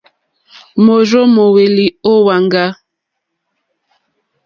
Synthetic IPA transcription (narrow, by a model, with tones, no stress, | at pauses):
mo˨ɾo˦mo˨we˨li˨o˦wa˨ŋɡa˦